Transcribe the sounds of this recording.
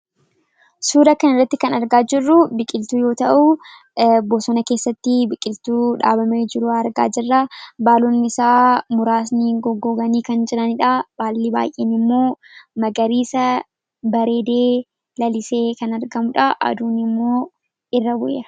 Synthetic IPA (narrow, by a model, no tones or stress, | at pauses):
suːd̪ɐkɐnɪrːɐt̪ːɪkɐnɐɾɡaːd͡ʒɪrːʊbɪkʼɪlt̪uːjo̞ːt̪ɐʔʊ | bɔsɔnɐkeːsːɐt̪ːɪbɪkʼːɪlt̪uːᶑa̰ːbɐmeːd͡ʒɪɾuɐɾɡa̰ːd͡ʒɪrːabaːlunːɪɪsaːmʊɾaːsnɪɡɔɡːoːɡɐniːkɐnd͡ʒɪɾɐnɪᶑab̥aːlːiba̰ːjʔḛːnɪmːo̞ː | mɐɡɐɾiːsɐ | bɐɾe̞ːd̪e̞ː | lɐlɪse̞ːkɐnɐɾɡɐmʊᶑaʔɐ̰d̪uːnɪmːo̞ː | ɪrːɐwʊʔɐ